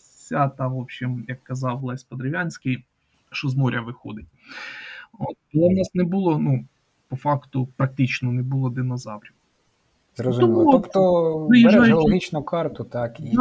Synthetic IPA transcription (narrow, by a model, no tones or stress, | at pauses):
sʲat̪ɑʋopɕimjɐkːɐzɑwlˠɑsʲpɔd̪ɾɪʋʲjanʲsʲkɪj | ʃɔzmɔɾʲɐʋɪxɔ̰d̪ɪt̚ʲ | ot̪̚ɐlˠɛʊnɑsnɛbʊlˠɔnu | pɔfɑkt̪ʊpɾɐk̚t̪ɪt͡ʃnɔnɛbʊlˠɔd̪ɪnɐzɑwɾʲɐkʊ | zrɔzt̪ɔmɔt̪ɔʋɪjɪʒɾɑjʊlˠɔɦit͡ʃnʊkɑrt̪ʊt̪ɑki